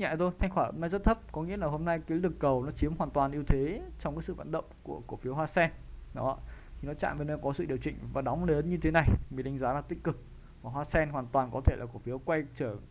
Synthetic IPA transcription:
ɲa̰˧˨t̪ʰo˧jt̪ʰa˧jŋxwaː˧˩ho̰˧mna˧jzə˦˥t̚t̪ʰə˦˥p̚kɔ˨˦ŋḭ˧˥əlaː˨˩ɦo˧mna˧jkaː˨˦jlɨ˨˩əkːə˨˩wnɔ˨˦t͡ɕi˨˦əmɦwaː˨˩nt̪waː˨˩nʔi˧əwt̪ʰe˨˦t͡ɕɔ˧wŋ͡mkaː˧˦˥sɨ̰˧˨v̰a̰ː˧˨nɗə̰˧˨wŋ͡mku˧˩əku˧˩fi˨˦əhwaː˧sɛ˧nɗɔ˨˦˧t̪ʰi˨˩nɔ˨˦t͡ɕa̰ː˧˨mve˨˩nə˧˩kɔ˨˦sɨ̰˧˨ɗi˨˩əwt͡ɕḭ̈˧˨ŋ̟vaː˨˩ɗɔ˨˦ŋ͡mle˨˦nɲɨ˧t̪ʰe˨˦na˨˩jmi˨˩nɗi˨˧˦ŋ̟zaː˨˦laː˨˩t̪ï˧˥ŋ̟kɨ˨˩k̚ | vaː˨˩ɦwaː˧sɛ˧nɦwaː˨˩nt̪waː˨˩nkɔ˨˦e˧˩laː˨˩ku˧˩fi˨˦əkwa˧jt͡ɕəː˧˩

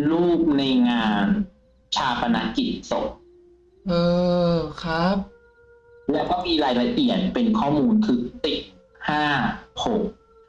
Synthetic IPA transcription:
luː˥˩p̚na˧jŋaː˧n | t͡ɕʰaː˧pʰa˧na̰˦˥ki˨˩t̪̚so˨˩k̚ | ʔɤː˧kʰa˦˥p̚ | lɛ˦˥kʰɔː˥˩miː˧ɾaː˧jla˧ʔi˨˩ət̪̚pe˧nkʰɔː˥˩muː˧nkʰɯː˧si˨˩t̚ | haː˥˩ho˨˩k̚

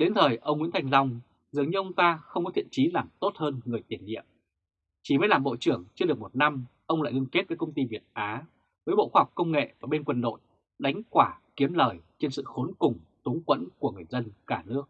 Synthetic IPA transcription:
ɗe˨˦nt̪ʰəː˨˩jʔə˧wŋ͡mŋḭ˧˥nt̪ʰa˧˩ŋla˧wŋ͡m | zɨ˨˩əŋɲɨ˧ʔə˧wŋ͡mt̪aː˧xə˧wŋ͡mkɔ˨˦t̪ʰḭ˧˨ənt͡ɕi˨˦laː˨˩mt̪o˦˥t̚həː˧nŋɨ˨˩əjt̪i˨˩ənːḭ˧˨əm | t͡ɕi˧˩mə˨˦jlaː˨˩mɓo̰˧˨t͡ɕɨ˧˩əŋt͡ɕɨ˧əɗɨ˨˩ək̚mo˨˩t̚na˧mʔə˧wŋ͡mla̰ː˧˨jŋɨ˧ŋke˦˥t̚vəː˨˦jkə˧wŋ͡mt̪i˧vi˨˩ət̚ʔaː˨˦ | vəː˨˦jɓo̰˧˨xwaː˧ɦk͡p̚kə˧wŋ͡mŋḛ˧˨vaː˨˩ɓe˧nkwə˧nɗo̰˧˨j | ɗa˨˦jŋ̟kwaː˧˩ki˨˦əmləː˨˩jt͡ɕe˧nsɨ̰˧˨xo˨˦nkʊ˨˩ŋ͡mt̪u˨˦ŋkwə̰˧˥nku˧˩əŋɨ˨˩əjzə˧nkaː˧˩nɨ˦˥ək̚

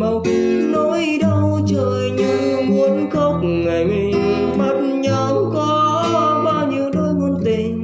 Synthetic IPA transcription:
ma˨˩wt̪i˨ | no˧˦jɗə˧w | t͡ɕəː˧˨˩jɲɨ˧˦˧mu˨˧˦ənkə˧˦wk͡p̚ | ŋa˨˩jm˧˩ | ɓa˧˩t̚ɲa˧wkɔ˨˦ | ɓaː˧wɲi˨əwno˧˦jmu˧˦nt̪i˨˩ŋ

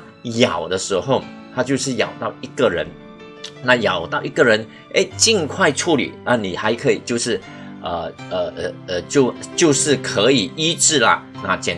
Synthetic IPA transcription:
jɑ˨˩ʊd̪ə˦ʂɻ̩˧˥xo˥˩ʊ | t̪ʰa˥t͡ɕjo˥˧ʂɻ̩˥˩jɑ̰˨˩ʊt̪ɑ˥˩ʊi˧˥ɡə˨ɻə˧˦n | na˥˩jɑ˨˩ʊt̪ɑ˥˩ʊʔi˧˥ɡə˨ɻə˧˦˥n | ʔe˥˩ɪt͡ɕi˥˧nkʰwa˥˧ɪʈ͡ʂʰu˥˩lḭ˨˩na˥˩ni˨˩xa˧˥ɪkʰə˧˥i˨˩t͡ɕjo˥˧ʊʂɻ̩˥˩ | ə˨˩ə˧˩˨t͡ɕjo˥˧ʊt͡ɕjo˥˧ʊʂɻ̩˥˩kʰə˧˥i˨˩i˥ʈ͡ʂɻ̩˥˩lɐ̰˩na˥˩t͡ɕjɛ˨˩n

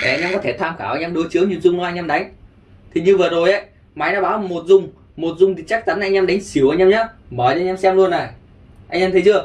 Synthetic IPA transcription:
ʔa˧ɲa˧kɔ˨˦e˧˩t̪ʰaː˧mxaː˧˩wʔa˧jɲaː˧mɗo˨˦jt͡ɕɨ˨˦əwɲɨ˧˩ənzʊ˧ŋ͡mm˧˦ʔa˧jɲa˧mɗa˨˦jŋ̟ | t̪ʰi˨˩ɲɨ˧vəː˨˩zo˨˩jʔə˧˦j | ma˨˦jnaː˨˦ɓaː˨˦wmo˨˩t̚zʊ˨˧˩ŋ͡m | mo˨˩t̚zʊ˨˩ŋ͡mt̪ʰi˨˩t͡ɕa˦˥k̚t͡ɕa˨˦nʔa˧j̟ɲa˧mɗa˨˦jŋ̟si˨˩əwʔa˧jɲa˧mɲaː˨˦ɓəː˧˩˨ɲːa˧msɛ˧mlu˧ənːa˨˩j | ʔa˧jʔa˧mt̪ʰə˨˦t͡ɕɨ˧ə

